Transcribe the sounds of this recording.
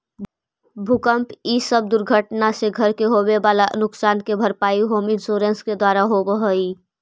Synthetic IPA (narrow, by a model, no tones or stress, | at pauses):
bʱʊkəmpisəb̚d̪ʊɾɡʱəʈnaseɡʱəɾkeɦobebaːlaʔnʊksaːnkebʱəɾpaːiɦoːmɪnsoːɾə̃nsked̪waːɾaɦobəɦəi